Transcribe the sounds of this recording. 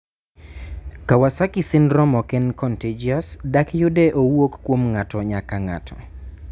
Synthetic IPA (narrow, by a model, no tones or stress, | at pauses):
kawasakɪsɪndɾɔmɔkɛnkɔnted͡ʒiasdakjʊdɛʔowokːwomŋatɔɲakaŋa̰tʰɔ